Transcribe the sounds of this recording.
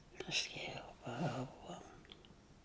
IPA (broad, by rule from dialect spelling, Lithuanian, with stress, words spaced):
pɐsʲˈkʲɛʊ pɐˈɐʊɡoːm